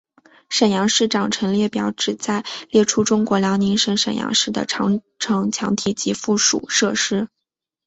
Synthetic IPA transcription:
ʂə˨˩njɑ˧˥ŋʂɻ̩˥˩ʈ͡ʂɑ˨˩ŋʈ͡ʂʰɤ˧˥ŋljɛ˥˩pjɑ˨˩ʊʈ͡ʂɻ̩˨˩t͡sa˥˧ɪljɛ˥˩ʈ͡ʂʰu˥ʈ͡ʂʊ˥ŋkwɔ˧˥ljɑ˧˥ʊni˧˥nʂə˧˥ŋʂə˨˩njɑ̰˧˥ŋʂɻ̩˥˩d̪ə̰˩ʈ͡ʂʰɑ̰˧˥ŋ | ʈ͡ʂʰɤ˧˥ŋt͡ɕʰjɑ˧˥ŋt̪ʰi˨˩t͡ɕi˧˥fu˥˩ʂṵ˨˩ʂɤ˥˩ʂɻ̩˥

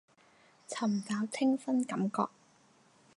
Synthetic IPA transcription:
t͡sʰɐ˨˩mt͡saː˨˧˥wt͡sʰɪ˥ŋfɐ˥nkɐ˨˦mkɔ̰ː˧k̚

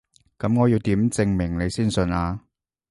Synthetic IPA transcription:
kɐ˨˥mŋɔː˨˧ji˧wt̪iː˨˥mt͡sɪ˧ŋmɪ˨˩ŋne˨˧jsiː˥˩nsɵ˧naː˧

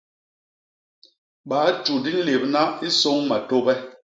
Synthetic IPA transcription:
ɓaː˨˦t͡ʃu˨di˦n̩˦le˨b̚na˦i˦so˦ŋma˨to˦bɛ˦

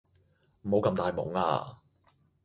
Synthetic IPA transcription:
m̩˨˩mo˨˧wkɐ˧mt̪aː˨˧jmʊ̰˨˥ŋa̰ː˧

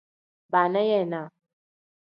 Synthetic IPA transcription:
ba˨nɛ˦jɛ˦˨na˨

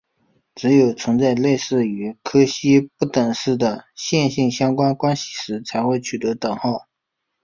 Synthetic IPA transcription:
ʈ͡ʂɻ̩˧˥jo˨˩ʊt͡sʰə˧˥ŋt͡sa˥˧ɪle˥˧ɪʂɹ̩˥˩y˧˥kʰɤ˥ɕi˥pu˥˩t̪ə˨˩ŋʂɻ̩˥˩d̪ə˩ɕjɛ˥˧nɕi˥˩ŋɕjɑ˥ŋkwa˥nkwa˥nɕi̥˨˩ʂɻ̩˧˥t͡sʰa˧˥ɪxwe˥˩ɪt͡ɕʰy˨˩t̪ɤ˧˥t̪ɤ˨˩ŋxɑ˥˩ʊ

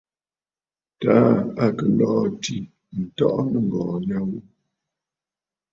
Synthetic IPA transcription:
ta˨˦a˨kə˨lɔ˦˨ti˨ | n̩˨tɔ˦ʔnə˦˨ŋ˨ɡɔː˨ɲa˦wu˦

